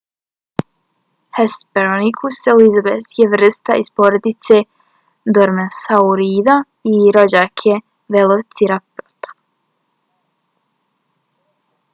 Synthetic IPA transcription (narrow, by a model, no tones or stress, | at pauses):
hespeɾonikʰuselizabesjeʋr̩st̪aispoɾed̪it̪se | d̪oɾmesauɾiːd̪a | iɾo̞d͡ʑaːkʰe | ʋelˠot̪siɾapot̪ḁ